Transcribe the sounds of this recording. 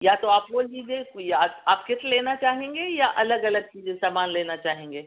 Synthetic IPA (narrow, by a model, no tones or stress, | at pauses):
jat̪oaːpʋoliːd͡ʒẽjaaːpkɪt̪leːnat͡ʃaːɦẽːŋɡejaʔɐləɡɐləɡ̚t͡ʃiːzẽsaːmaːnleːnat͡ʃaːɦẽːŋɡeː